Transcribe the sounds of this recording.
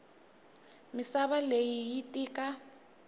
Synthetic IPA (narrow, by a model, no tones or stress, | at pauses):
misaβalejijitʼiːka